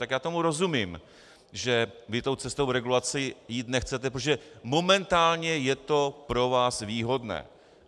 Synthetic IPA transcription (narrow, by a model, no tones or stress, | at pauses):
t̪akjaːt̪o̞muɾo̞zumiːm | ʒɛvɪt̪o̞wt͡sɛst̪o̞wvɾɛɡulat͡sɪjiːt̪nɛxt͡sɛt̪ɛpɾot̪oʒɛmo̞mɛnt̪aːlɲɛjɛt̪o̞pɾo̞vaːsviːɦo̞dnɛ̰ː